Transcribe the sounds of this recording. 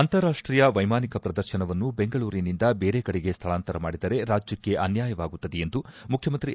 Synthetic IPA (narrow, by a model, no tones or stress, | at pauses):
ɐnt̪ɐɾaːʂʈɾiːjɐʋɐjmaːnikɐpɾɐd̪ɐɾʃɐnɐʋɐnːube̞ŋɡɐɭuːɾinind̪ɐbeːɾekɐɽɛɡest̪ʰɐɭaːnt̪ɐɾɐmaːɽid̪ɐɾe̞ɾaːd͡ʒjɐkːe̞ʔɐnjaːjɐʋaːɡut̪ːɐd̪ejend̪umukʰjɐmɐnt̪ɾi